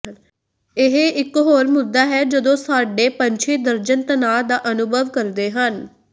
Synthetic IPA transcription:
ɪɦeʔɪkɦoːɾmʊd̪ːaːɦɛːd͡ʒəd̪õːsaːɖeːpəɲʲt͡ʃʰiːd̪əɾd͡ʒənt̪ənaːd̪aːʔənʊbʱəʋkəɾd̪eːɦən

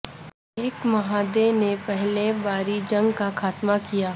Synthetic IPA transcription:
eːkmɐɦaːd̪enepɛɦlebaːɾid͡ʒɐ̃ŋɡkakʰaːt̪makijaː

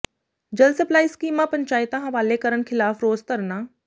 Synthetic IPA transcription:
d͡ʒɐlsɐplaːiskiːmãpɐ̃ɲt͡ʃaːɪt̪ãɦɐʋaːlekəɾənkʰɪlaːfɾoːzk̪əɾnaː

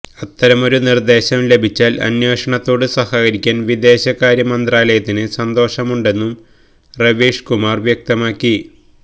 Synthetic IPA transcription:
ɐt̪ːɐɾɐmo̞ɾunird̪e̞ːɕɐmle̞bʱit͡ɕːaːlɐ̰njo̞ːʂɐɳɐt̪ːo̞ːɽɨsɐhakɐɾikʲːaːnʋid̪e̞ːɕɐkːaːɾjɐmɐnd̪raːlɐjɐt̪ːinɨsɐnd̪o̞ːʂɐmuɳɖe̞nːum | rɐʋiːʂkumaːrʋjɐk̚t̪ɐmaːkːi

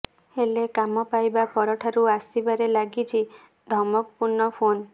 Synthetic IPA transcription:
helekamɔpajbapɔɾɔʈʰaɾuast̪ibaɾelaɡit͡ʃʰi | d̪ʱɔmɔk̚puɾnɔpʰon

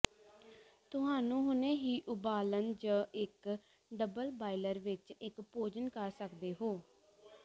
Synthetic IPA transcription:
t̪ʊɦaːnũːɦʊnẽːɦiːʔʊbaːlənd͡ʒəːɪk | ɖəbəlbaːiləɾʋɪt͡ʃɪkpoːd͡ʒənkəɾsəkd̪eːɦoː

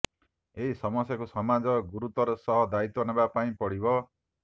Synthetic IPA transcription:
eɦisɔmɔsjakusɔmad͡ʒɔɡuɾut̪ɔɾɔsɔɦɔd̪ait̪ɔnebapaĩpɔɽibɔ

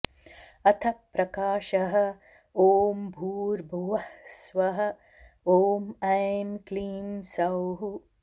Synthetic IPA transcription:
ɐt̪ʰɐpːɾɐkaːʃɐɦɐ̆ | oːmbʱuːɾbʱuʋɐhsʋɐɦɐ | oːmɐjmkliːmsɐwɦu

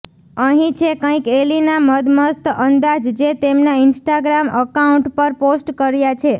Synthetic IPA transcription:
əɦĩt͡ʃʰekə̃ĩkelinaməd̪məst̪ənd̪ad͡ʒd͡ʒet̪emnaɪnsʈaɡɾaməkauɳʈpəɾposʈkəɾjat͡ʃʰe

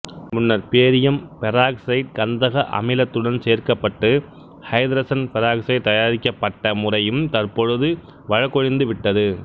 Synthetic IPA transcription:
mʊnːɐɾpeːɾɪjɐmpɛɾaːksɐɪʈ̚kɐnd̪ɐɣɐʔɐ̰mɪlɐt̪ːɯɽɐnseːɾkɐpːɐʈːɯ | hɐɪd̪ɾɐsɐnpɛɾaːksɐɪt̪ɐjaːɾɪkːɐpːɐʈːɐmʊrɐjɯmt̪ɐɾpɔɻɯðɯ | ʋɐɻɐkːɔɻɪnd̪ɯʋɪʈːɐðɯ

